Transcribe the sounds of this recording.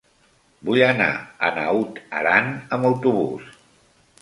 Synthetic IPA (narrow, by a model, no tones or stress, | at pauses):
bujəna̰ə̰naut̪əɾanəməwt̪uβus